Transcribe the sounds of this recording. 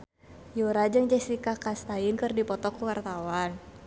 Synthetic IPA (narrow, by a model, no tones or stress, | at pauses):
juɾad͡ʒɨŋd͡ʒɛsikakast̪aɪnkɨrdipɔt̪ɔkuwart̪awan